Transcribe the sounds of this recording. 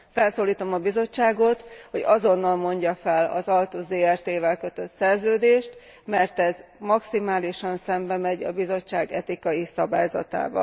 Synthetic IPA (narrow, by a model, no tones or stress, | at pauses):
fɛlsoːliːt̪o̞mɒbizo̞t͡ʃːaːɡo̞t̪ho̞ɟɒzo̞nːɒlmo̞ɲɟɒfɛlɒ̰zɒlt̪uːzeːɛrt̪eːvɛlkø̞t̪ø̞t̪sɛrzøːd̪eːʃt̪ | mɛrt̪ɛzmɒksimaːliʃɒnsɛmbɛmɛɟɒ̰bizo̞t͡ʃːaːɡɛt̪ikɒjisɒbaːjzɒ̰t̪a̰ːvɒ̰l